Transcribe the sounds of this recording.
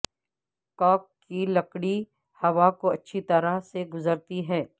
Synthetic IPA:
kɔːkːilɐkɽi | hɐʋakoɐtːʃʰit̪ɐɾaɦseɡʊzəɾt̪iɦɛː

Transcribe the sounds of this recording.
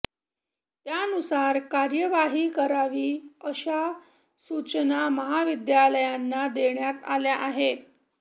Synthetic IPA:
t̪jaənusaɾkaɾjəʋaɦiːkəɾaʋiːəɕa | sut͡ɕənaməɦaʋid̪jaləjanːad̪eɳjat̪aljaʔaɦet̪̚

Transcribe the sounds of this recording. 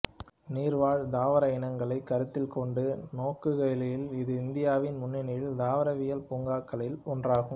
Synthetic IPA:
niːɾʋaːɻd̪aːʋɐɾɐɪnɐŋɡɐɭɐɪkːɐɾɯt̪ːɪlkɔɳɖɯnoːkːɯɣɐjlɐjɪlɪðɯɪnd̪ɪjaːʋɪnmʊnːɪnɐjɪld̪aːʋɐɾɐʋɪjɐlpuːŋɡaːkːɐɭɪlɔndraːɣɯm

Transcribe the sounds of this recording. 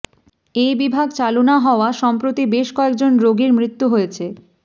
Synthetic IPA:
ejbibʱaɡt͡ɕalonaɦɔoaʃɔmpɾot̪ibeʃkɔek̚d͡ʑonɾoɡiɾmɾit̪ːuɦojet͡ɕʰe

